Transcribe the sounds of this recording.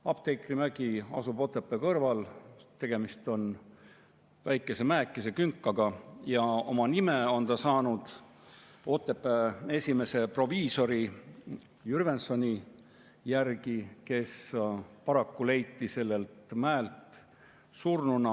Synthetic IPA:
ɑb̥t̪e̞jklimæɡ̥iɑ̰sub̥o̞t̪ːˑe̞pːˑekɤrvɑlt̪e̞ɡ̥e̞mist̪o̞n | væjkːˑe̞se̞mæekːˑese̞kyŋkˑːɑɡ̥ɑjɑo̞̰mɑnimeo̞nt̪ɑsɑːnud̪̥ | o̞t̪ːˑe̞pːˑee̞sʲime̞se̞pro̞viːso̞ɾi | jyɾve̞nso̞nʲi | jærɡ̥ike̞spɑɾɑkːule̞jt̪ːˑise̞lːe̞lt̪mæelt̪ˑ | surnunɑ

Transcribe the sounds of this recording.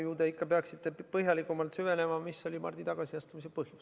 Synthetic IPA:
juːd̪eikːɑpeɑksit̪ːepɤɦjɑlikːˑumɑlt̪syve̞ne̞mɑmisːo̞lʲimɑ̰rd̪̥it̪ɑɡ̥ɑsiɑst̪umisepɤhju̥s

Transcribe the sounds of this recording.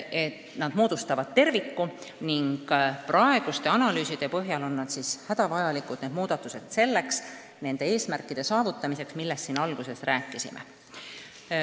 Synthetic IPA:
et̪ːnɑd̪̥moːd̪̥ust̪ɑvɑd̪̥̚t̪e̞rvikːuniŋɡ̥prɑe̞ɡ̥ust̪e̞ɑnɑlyːsid̪̥e̞pɤɦjɑlo̞nːɑd̪sishæd̪̥ɑvɑjɑlikˑud̪̥ne̞ːd̪̥̚muːd̪̥ɑt̪ːˑuse̞d̪̥se̞lːe̞ks | ne̞nd̪̥e̞eːsmærkːˑid̪̥e̞sɑːvut̪ːˑɑmise̞ksmilːe̞st̪ːinɑlɡ̥use̞sræːkˑːisḭmʔḛ

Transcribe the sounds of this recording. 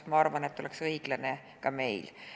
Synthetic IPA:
mɑɑrvɑne̞t̪ːo̞leksɤiɡ̥lɑne | kɑme̞jl

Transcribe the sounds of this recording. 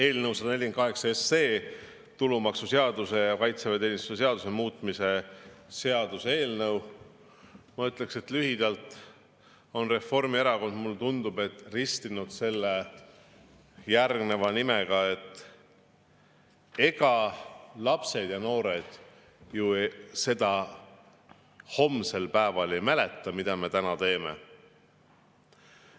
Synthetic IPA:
e̞ːlnəwsɑd̪ɑne̞lʲjinkɑɦe̞ksɑesːe̞ː | t̪ulumɑksuseɑd̪̥use̞jɑkɑjt̪sevɑt̪eːnʲist̪u̥seseɑd̪use̞muːt̪ˑmise̞se̞ɑd̪usee̞ːlnɤw | mɑyt̪ːˑle̞kse̞t̪lyɦid̪̥ɑlt̪ˑ | o̞nre̞fo̞rmieɾɑko̞nd̪̥mulːet̪und̪̥ub̥e̞t̪ːˑrist̪inud̪̥se̞lːe | jærɡne̞vɑnime̞ɡ̥ɑe̞t̪ːˑ | e̞ɡɑlɑpse̞d̪̥jɑno̞ːɾe̞d̪̥ | juse̞d̪̥ɑ | ho̞mːse̞lpæevɑle̞jmæle̞t̪ːˑɑmid̪̥ɑme̞t̪ænɑt̪e̞ːmḛ

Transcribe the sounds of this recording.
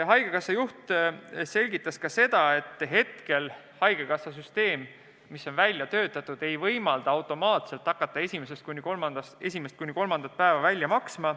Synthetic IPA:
ɦɑjɡ̥ekɑsːɑjuht̪se̞lʲɡit̪ˑːɑskɑse̞d̪̥ɑe̞t̪ːˑɦe̞t̪ke̞l | hɑjɡ̥ekɑsːɑs̬yst̪e̞ːmː | isːo̞nvælʲjɑt̪ø̞ːt̪ːˑɑt̪ːˑud̪̥e̞jvɤjmɑld̪̥ɑɑwt̪ˑo̞mɑːt̪se̞lt̪ːɑkːˑɑt̪ˑːɑe̞sʲimesest̪kunʲːikolmɑnd̪ɑse̞sʲime̞st̪̚kunːiko̞lmɑnd̪̥ɑt̪̚pæevɑvælʲjɑmɑksmɑ

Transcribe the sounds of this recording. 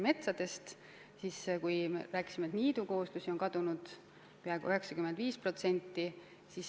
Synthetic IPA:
me̞t̪sɑd̪̥e̞st̪ | siskujeræːkˑi̥simet̪niːd̪uko̞hust̪usionkɑd̪̥unud̪̥ | peɑeɡ̥ṵyɦeksɑkymend̪viːspro̞t̪se̞nʲt̪ːi | sis

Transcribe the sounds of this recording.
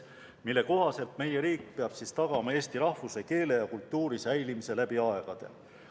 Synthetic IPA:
milːe̞ko̞ɦɑse̞lt̪me̞je̞ɾiːk̚ːpe̞ɑb̥sist̪ɑɡɑmɑe̞ːst̪iɾɑhvuseke̞ːle̞jɑkult̪ˑːuːɾisæjlimise̞læb̥iɑe̞ɡ̥ɑd̪̥e̞̰

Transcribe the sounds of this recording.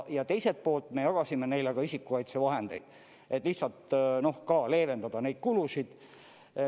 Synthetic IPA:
jɑt̪e̞jset̪̚po̞ːlt̪ˑme̞jɑɡ̥ɑsime̞ne̞jleɡ̥ɑisikːˑukɑjt̪sevɑɦend̪e̞̰jd̪̥ | ʔe̞t̪ːˑlihsɑlt̪no̞hkɑːle̞ːve̞nd̪ɑd̪̥ɑne̞jd̪̥̚kulusid̪̥

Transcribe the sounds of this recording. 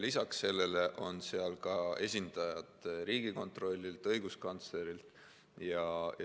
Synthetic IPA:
lisɑksːe̞lːe̞le̞ʔo̞nse̞ɑlkɑe̞sʲind̪̥ɑjɑd̪̥riːɡiko̞nt̪ro̞lʲːilt̪ɤjɡ̥uskɑnt̪sle̞ɾilt̪ | jɑ

